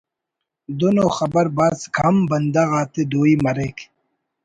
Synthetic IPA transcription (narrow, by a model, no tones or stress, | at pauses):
d̪onoːxɐbɐɾbaːzkʰɐmbɐnd̪aɣaːt̪ed̪oːiːmɐɾek